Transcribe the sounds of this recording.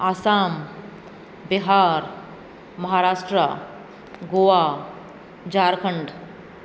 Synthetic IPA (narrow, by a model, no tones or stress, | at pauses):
aːsaːm | biɦaːɾ | mɐɦaɾaːsʈɾə | ɡoa | d͡ʒaːɾkʰəɳɖ